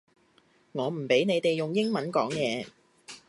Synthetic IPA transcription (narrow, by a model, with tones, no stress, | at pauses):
ŋɔː˨˧m̩˨˩pe˨˥jne˨˧jt̪e˨jʊ˨ŋjɪ˥ŋmɐ˨˥nkɔː˨˥ŋjɛː˨˧